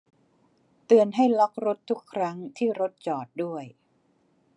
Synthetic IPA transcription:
t̪ɯ˨˩ənɦa˥˩jlɔ˦˥k̚ɾo˦˥t̪ʰːu˦˥kʰːɾa˦˥ŋt̪ʰiː˥˩ɾo˦˥t̪̚t͡ɕɔː˨˩t̪̚du˥˩əj

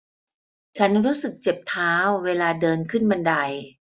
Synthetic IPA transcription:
t͡ɕʰa˦˥nɾuː˦˥sɯ˨˩k̚t͡ɕe˨˩p̚t̪ʰaː˦˥wːeː˧laː˧dɤː˧nkʰɯ˥˩nma˧nda˧j

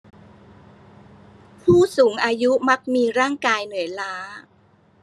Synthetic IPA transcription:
pʰuː˥˩suː˩˦ŋʔaː˧ju˦˥ma˦˥k̚miː˧ɾaː˥˩ŋkaː˧jnɯ˩˦jlaː˦˥

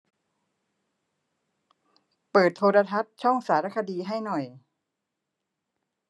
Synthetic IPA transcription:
pɤː˨˩t̪ʰːoː˧ɾa˧t̪ʰa˦˥t̪̚t͡ɕʰɔ˥˩ŋsaː˩˦ɾa˦˥kʰa˧diː˧ɦa˥˩jnɔ˨˩j

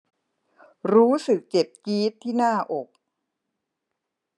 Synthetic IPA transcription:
ɾuː˦˥sɯ˨˩k̚t͡ɕe˨˩p̚kiː˦˥t̪ʰːiː˥˩naː˥˩ʔo˨˩k̚

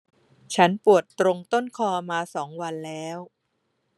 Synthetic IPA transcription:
t͡ɕʰa˦˥npu˨˩ət̪ːɾo˧ŋt̪o˥˩nkʰɔː˧maː˧sɔː˩˦ŋwa˧nlɛː˦˥w

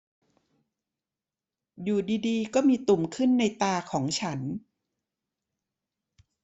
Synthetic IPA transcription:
juː˨˩diː˧diː˧kɔː˥˩miː˧t̪u˨˩mkʰɯ˥˩nːa˧jt̪aː˧kʰɔː˩˦ŋt͡ɕʰa˦˥n

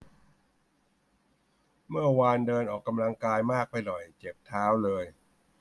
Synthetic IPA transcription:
mɯ˥˩ɐwaː˧ndɤː˧nʔɔː˨˩kːa˧mla˧ŋkaː˧jmaː˥˩k̚pa˧jlɔ˨˩jt͡ɕe˨˩p̚t̪ʰaː˦˥wlɤː˧j

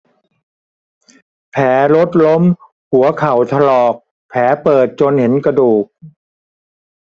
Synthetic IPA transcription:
pʰɛː˩˦lo˦˥t̪̚lo˦˥m | hu˩˦ɐkʰa˨˩wt̪ʰa˧lɔː˨˩k̚ | pʰɛː˩˦pɤː˨˩t̪̚t͡ɕo˧nhe˩˦nkɾa˧duː˨˩k̚

